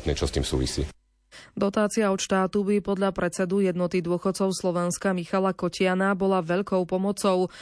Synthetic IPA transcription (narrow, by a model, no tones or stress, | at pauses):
t̪nɛt͡ʃɔst̪iːmsṵːʋḭsḭː | d̪ɔt̪aːt͡siɪaɔt̪ʃt̪aːt̪ubipɔd̪ʎapɾʔɛt͡sɛd̪ujɛd̪nɔt̪id̪ʊɔxɔt̪t͡sɔʊslˠɔʋɛnskamixalakɔcɪanabɔlaʋɛʎkɔʊpɔmɔt͡sɔʊ